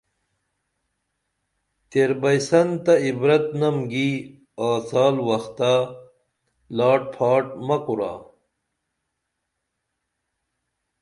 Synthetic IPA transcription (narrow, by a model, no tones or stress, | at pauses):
t̪eɾbɐjsɐnt̪ɐibɾɐt̪̚nɐmɡi | aːsaːlwɐxt̪a | laːʈ̚pʰaːʈmɐkuɾa̰ː